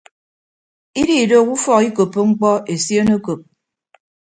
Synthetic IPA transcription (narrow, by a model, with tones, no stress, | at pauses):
i˦di˦˨do˦˨ku˦fɔ˦ki˦ko˨pːo˦ŋ͡m̩˦k͡pɔ˦e˨sjo˦no˦ko˨p̚